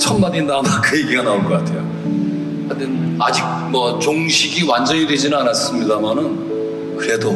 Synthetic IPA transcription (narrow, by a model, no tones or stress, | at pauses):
t͡ɕʰʌmmaɲinːanakɯjeɡiɡanaonɡʌk͈atʰe̞jo | andɯna̰d͡ʑik̚mwʌt͡ɕoŋɕʰiɡiwand͡ʑʌɲidwe̞d͡ʑinɯnanas͈ɯmɲidamanɯn | kɯɾe̞do